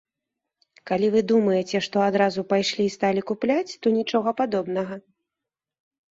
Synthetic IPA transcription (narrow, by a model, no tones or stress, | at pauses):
kalʲivɨd̪umɐjɛt͡sʲɛʂt̪ɔad̪ɾazupajʂlʲist̪alʲikuplʲat͡sʲt̪ɔnʲit͡ʂɔɣɐpad̪ɔbnɐɣɐ